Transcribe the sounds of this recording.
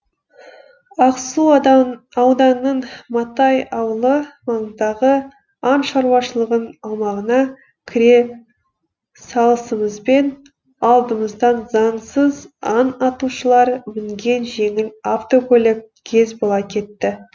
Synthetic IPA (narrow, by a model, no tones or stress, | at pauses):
ɑqssu | ɑwd̪ɑnːəɴmɑt̪ɑjɑwəlˠəmɑɴəd̪ɑʁə | ɑnʃɑɾwɑʃəlˠəʁənɑlˠmɑʁənɑ | kʲʰɪɾe̞ | sɑlˠəsəməzbe̞n | ɑlˠd̪əməzd̪ɑnzɑnsəzɑnɑt̪uʃəlˠɑɾmɪŋɡʲe̞nʒe̞ŋɪlaft̪o̞kʲʰɵlʲek̚kʲʰe̞zbolˠɑkʲʰe̞t̪ːɪ